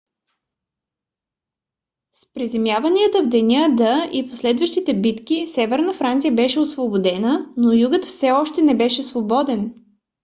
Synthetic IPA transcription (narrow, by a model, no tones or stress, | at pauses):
spɾizɛmjavɐniət̪əvd̪ɛnʲəd̪əiposlɛd̪vəʃt̪it̪ɛbit̪kisɛvɛɾnəfɾant̪sijəbɛʃɛosvobod̪ɛnənojuɡət̪fsɛɔʃt̪ɛnɛbɛʃɛsvobɔd̪ɛn